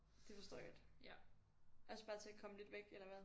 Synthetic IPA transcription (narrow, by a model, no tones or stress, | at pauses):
d̥e̝fɒ̽sd̥ɔ̰̥ːd̥ | ʔɒsəb̥ɑ̈ːt͡sʰe̝ækʰɒ̽məle̝d̥ʋeɡ̥elɐʋæ